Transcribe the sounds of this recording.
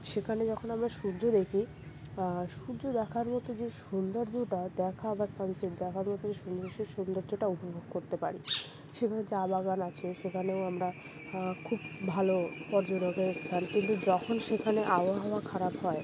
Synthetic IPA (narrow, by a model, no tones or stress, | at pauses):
ʃekʰaned͡ʑɔkʰonamɾaʃuɾd͡ʑʱod̪ekʰi | ʃuɾd͡ʑod̪ɛkʰaɾmɔt̪od͡ʑeʃund̪oɾd͡ʑuʈad̪ɛkʰabasansiʈd̪ɛkʰaɾmɔt̪od͡ʑeʃund̪ɾoʃeʃund̪oɾd͡ʑoʈaopobʱoɡ̚koɾt̪epa̰ɾi | ʃekʰaned͡ʑabaɡanat͡ɕʰeʃekʰaneoamɾa | kʰubbʱalopɔɾd͡ʑoɾokest̪ʰankint̪ud͡ʑɔkʰonʃekʰaneʔaoaɦɔoakʰaɾabɦɔe